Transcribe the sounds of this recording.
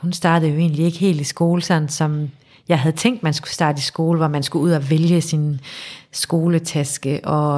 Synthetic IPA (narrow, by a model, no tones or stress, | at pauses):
hunsd̥ɑ̈ːd̥ð̩ˠjo̝e̝̰ːnlie̝ɡ̥əhe̝̰ːld̥isɡ̥o̝ːləsɒ̽n̩sɒ̽m | jɑ̈ɪɦæðˠt͡sʰeŋ̰d̥mænsɡ̥u̥sd̥ɑ̈ːd̥əisɡ̥o̝ːləʋɒmænsɡ̥uuð̞̰ˠæʋeljəsin | sɡ̥o̝ːlət͡sʰæsɡ̥əʔɒ̽